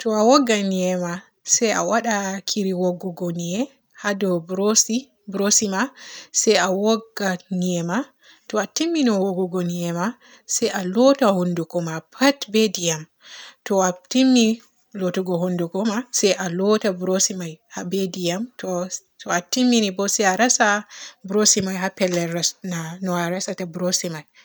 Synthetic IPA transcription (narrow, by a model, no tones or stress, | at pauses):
tɔawɔɡːaniɛma | sɛja̰waɗakʰiɾiwɔɡːɔɡɔniɛ | hadɔbɾosi | bɾosimasɛjawɔɡːaniɛma | tɔatimːinɔwɔɡɔɡɔniɛma | sɛjʔalɔtahondukɔmapʰatbedijam | tɔatimːi | lotuɡɔhondukɔmasɛjʔalɔtabɾosimajhabedijamtɔ | tɔatimːinibɔsɛaɾasabɾosimajɦapɛlːɛasnanɔaɾasatabɾosimaj